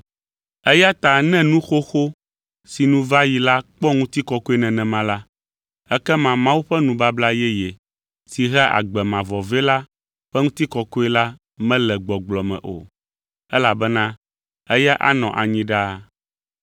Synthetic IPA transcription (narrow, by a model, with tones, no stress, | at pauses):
ɛ˦ja˦t̪a˨nɛ̃˦nũ˦xo˦xo˦ | si˨nũ˨va˦ji˨la˦k͡pɔ˦ŋũ˦t̪i˦kɔ˨ko˦e˦nɛ̃˨nɛ̃˨mã˦la˦ | ɛ˦kɛ˦mã˦mã˦wu˦ɸɛ˦nũ˨ba˦bla˦jɛ˦jɛ˨ | si˨ɦɛ˦ʔa̰˨ɡ͡bɛ˨mã˨vɔ˨vɛ˦la˦ | ɸɛ˦ŋũ˦t̪i˦kɔ˨ko˦ɛ˦la˦ | mɛ̃˦lɛ˨ɡ͡bɔ˨ɡ͡blɔ˨mɛ̰̃˨ʔo̰˨ | ɛ˦la˨bɛ˦nã˦ | ɛ˦ja˦ʔa̰˦nɔ̃˨ʔa˨ɲĩ˦ɖa˦